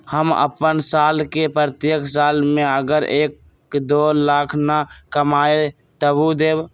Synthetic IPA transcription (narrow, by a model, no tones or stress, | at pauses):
həmə̰pənsaːlkepɾət̪jəkʰsaːlmẽəɡəɾeːk | d̪oːlaːkʰnakəmaːe | t̪əbud̪eːb